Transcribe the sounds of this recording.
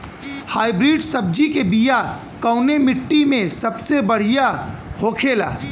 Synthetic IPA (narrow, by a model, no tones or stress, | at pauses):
haːibɾiːɖsɐb̚d͡ʒikebija | kəːʊnemɪʈːimẽsɐbsebɐɽ̤ijahoːkʰeːla̰ː